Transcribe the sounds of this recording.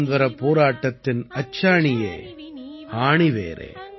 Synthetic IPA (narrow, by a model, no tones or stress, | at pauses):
nʋɐɾɐpːoːɾaːʈːɐt̪ːɪnɐt͡ʃːaːɳɪjḛː | aːɳiʋḛːɾʔḛː